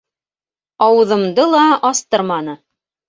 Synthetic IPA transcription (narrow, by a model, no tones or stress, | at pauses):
ɑwɤ̆ðɤ̆md̪ɤlˠɑɑst̪ɤɾmɑn̪ɤ